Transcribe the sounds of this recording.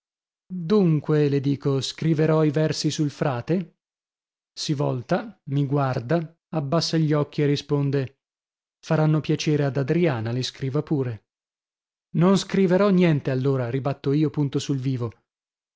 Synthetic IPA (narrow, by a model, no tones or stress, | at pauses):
d̪uŋkweled̪iːkoskɾiveɾɔivɛrsisulfɾaːt̪e | sivɔlt̪amiɡward̪a | abːasːaʎːɔkːierːispond̪e | faɾanːopjat͡ʃeːɾead̪ad̪ɾiaːnaleskɾiːvapuːɾe | nonskɾiveɾɔnjɛnt̪ealːoːɾaɾibat̪ːoiːopunt̪osulviːvo